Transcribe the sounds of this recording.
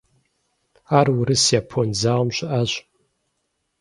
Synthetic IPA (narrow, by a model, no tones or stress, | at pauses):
aːrwʊɾɨsjaːpʰonzaːʁmɕʷɪʔaɕ